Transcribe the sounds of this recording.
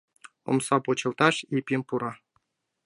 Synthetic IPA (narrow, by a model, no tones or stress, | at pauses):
ŏ̰msɑpŭt͡ɕɤ̆lˠt̪ɑʂipʲimʲpuɾɑ